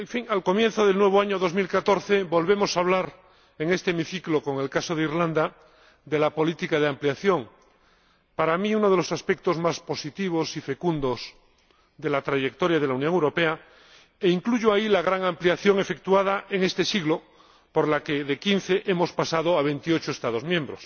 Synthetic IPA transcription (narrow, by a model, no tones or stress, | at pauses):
eɱfiŋalko̞mjẽn̟θoð̞elnwe̞β̞oaɲoðo̞zmilkat̪oɾθeβo̞lβe̞mo̞saβ̞laɾ | eŋe̞st̪eemiθikloko̞ŋe̞lkasoðeiɾland̪a | d̪e̞lapo̞lit̪ikaðeampliaθjo̞ŋ | paɾamiunoðe̞lo̞saspek̚t̪o̞zmaspo̞sit̪iβ̞osife̞kund̪os | ðe̞lat̪ɾaʝek̚t̪oɾjað̞elaunjõŋewɾo̞pe̞a | eiŋkluʝoailaɣ̞ɾaŋampliaθjo̞ŋe̞fe̞kt̪uað̞aʔeŋe̞st̪e̞siɣlo | poɾlakeðekin̟θeʔemo̞spasað̞oaβe̞nt̪iot͡ʃoest̪aðo̞zmjẽmbɾos